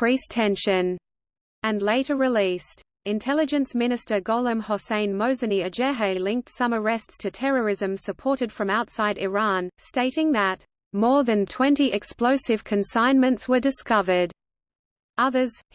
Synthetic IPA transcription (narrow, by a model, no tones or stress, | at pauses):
ɹ̥istʰɛ̃nʃɨ̃n | ɨ̃nleɪɾə˞ɹɨlist | ɨ̃ntʰɛlˠɨd͡ʒɨ̃nsmɪ̃ñɨstə˞ɡɔlˠə̃mhɑsẽɪ̃nmoʊzɨniɨd͡ʒɛɦeɪlɪ̃ŋk̚tsʌ̃mə˞ɛststʰɨtʰɛɹə˞ɪzɨ̃msɨpʰɔɹɾɨd̥fɹʌ̃maʊtsaɪɾɪɹɑ̃nsteɪɾɪ̃ŋðət̚ | mɔɹðɨ̃ntʰw̥ɛ̃ntiʔɨksploʊsɨv̥kʰɨ̃nsãɪ̃nmɨ̃ntswə˞dɨskʌvə˞d | ʌðə˞z̥